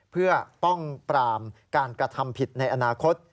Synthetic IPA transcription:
pʰɯ˥˩ɐpɔ˥˩ŋpɾaː˧mkaː˧nkɾa˧t̪ʰa˧mpʰi˨˩t̪̚na˧jʔa˧naː˧kʰo˦˥t̪̚

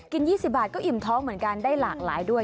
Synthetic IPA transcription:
ki˧njiː˥˩si˨˩p̚baː˨˩t̪̚kɔː˥˩ʔi˨˩mt̪ʰɔː˦˥ŋmɯ˩˦ənkaː˧ndaː˥˩jlaː˨˩k̚laː˩˦jdu˥˩ə

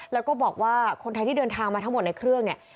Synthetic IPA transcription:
lɛː˦˥wkɔː˥˩bɔː˨˩k̚waː˥˩kʰo˧nt̪ʰa˧jt̪ʰiː˥˩dɤː˧nt̪ʰaː˧ŋmaː˧t̪a˦˥ŋmo˨˩t̪̚na˧jkʰɾɯ˥˩əŋni˥˩ə

